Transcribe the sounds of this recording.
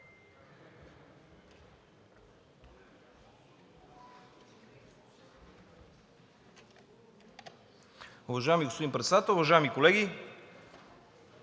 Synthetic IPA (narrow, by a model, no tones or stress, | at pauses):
ʊvɐʒajɛmiɡospod̪impɾɛt̪sɛd̪at̪əlˠʊvɐʒajɛmikolɛɡi